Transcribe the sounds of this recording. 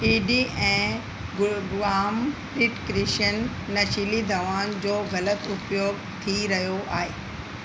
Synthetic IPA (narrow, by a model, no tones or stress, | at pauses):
iːɖiʔɛ̃ː | ɡʋaːm | ɾɪʈkɾɪʃənː | ɐʃilid̪ʱɐʋaːnd͡ʑoːɡɐlət̪ʊpjoːɡ | t̪ʰiɾɐɦijoʔaːɦeː